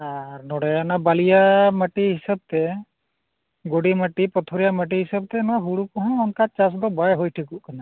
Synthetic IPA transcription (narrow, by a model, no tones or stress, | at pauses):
aɾnɔɽɛjanabalijaməʈiɦisab̚t̪ɛ | ɡoɽiməʈipɔt̪ʰɔɾijaməʈ̬iɦisab̚t̪ɛnɔwaɦuɽukɔɦɔ̃ːnkat͡ʃas̬d̪ɔbajɦujʈʰikuʔkana